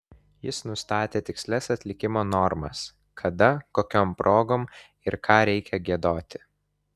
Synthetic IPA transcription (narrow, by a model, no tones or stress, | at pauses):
jɪsnʊst̪ɑːt̪ʲeːt̪ʲɪksʲlʲɛsɐt̪ʲlʲɪkʲɪmoːnɔɾmɐ̰s | kʰɐd̪ɐkoːkʲɔːmpɾʔoːɡoːm | ɪɾkɑːɾʲɛɪkʲɛɡʲiɛd̪oːt̪ʲɪ̥